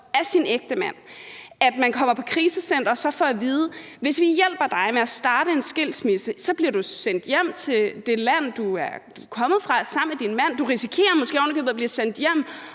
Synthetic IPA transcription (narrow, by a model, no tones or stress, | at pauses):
æsineɡ̥̚d̥əmæn̰æd̥mænkʰɒ̽m̰ɐpʰɒ̽kʰʁiːsəsen̰d̥ɐsɒ̽fɒæʋiːð̞ˠəʋe̝sʋijel̰b̥ɐd̥ɑ̈ɪmeæsd̥ɑ̈ːɾəe̝nsɡ̥el̰smisəsɒ̽b̥liɐɾusen̰d̥jem̰t͡sʰe̝d̥e̝læn̰d̥uæɐd̥ukʰɒ̽mð̞̩ˠfʁɑ̈sɑ̈m̰med̥inmæn̰d̥uʁisikʰe̝̰ːɐmɔ̽sɡ̥e̝̰ːɒʊnkʰøðˠbliɐsen̰d̥jem̰